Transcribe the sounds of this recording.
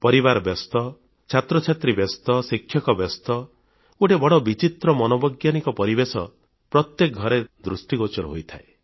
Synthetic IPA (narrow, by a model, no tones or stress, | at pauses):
pɔɾibaɾɔbjɔst̪ɔ | t͡ʃʰat̪ɾɔt͡ʃʰat̪ɾibɔst̪ɔsikʰːjɔkɔbjɔst̪ɔ | uʈebɔɽɔbit͡ʃit̪ɾɔmɔnɔbɔɡjanikɔpɔɾibesɔ | pɾɔt̪jekɔɡʱɔɾed̪ɾusʈiɡot͡ʃɔɾɔɦojt̪ʰae